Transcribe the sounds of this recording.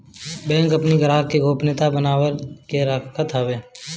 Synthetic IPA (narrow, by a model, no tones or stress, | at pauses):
bɛ̃ːŋkɐpniɡəɾaːkeɡʱoːpnet̪abənaːwəɾkeɾakʰkʰət̪ʰaːʋeː